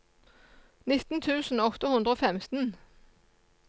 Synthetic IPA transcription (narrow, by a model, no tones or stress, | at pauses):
nɪt̪n̩t̪ʰʉːsn̩ɔt̪əhʉnd̪ʁəoːfɛmt̪n̩